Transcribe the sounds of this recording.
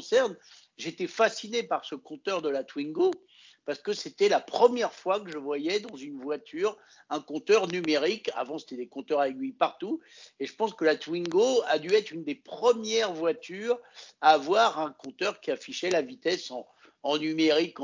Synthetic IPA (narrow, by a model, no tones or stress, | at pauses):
sɛʁn | ʒet̪efasinepaʁsəkɔ̃t̪œʁd̪əlat̪wiŋɡo | paʁsə̥kəset̪ɛlapχəmjɛʁfwakəʒəvwajɛd̪ɑ̃zynvwat̪ʰyːʁ | ɛ̃kɔ̃t̪œʁnymeʁika̰vɑ̃se̥t̪ɛd̪ekɔ̃t̪œʁaeɡʲɥipaʁt̪u | eʒəpɑ̃skəlat̪wiŋɡoad̪yɛt̪χynd̪epχəmjɛʁvwat̪ʰyːʁaːvwaʁɛ̃kɔ̃t̪œʁkʲiafiʃɛlavit̪ɛsɑ̃ | ɑ̃nymeʁik